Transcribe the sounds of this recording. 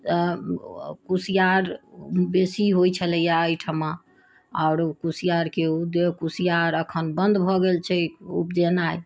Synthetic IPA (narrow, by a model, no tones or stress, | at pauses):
t̪ə | kusijaɾbesiɦojt͡ʃʰələjaəjʈʰəma | aʊɾkusijaɾkeud̪ekusijaɾəkʰənbənd̪bʱɔɡelt͡ʃʰɛṵp̚d͡ʒenaj